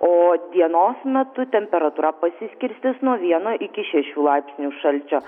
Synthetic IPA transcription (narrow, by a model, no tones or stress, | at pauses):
oːd̪ʲiɛnoːsmʲɛt̪ʊt̪ʲɛmʲpʲɛɾɐt̪uːɾɐpɐsʲɪsʲkʲɪɾʲsʲt̪ʲɪsnuɔʋʲiɛnoːʔɪkʲɪʃʲɛʃʲuːlˠɑɪpʲsʲnʲuːʃɐlʲt͡ʃʲoː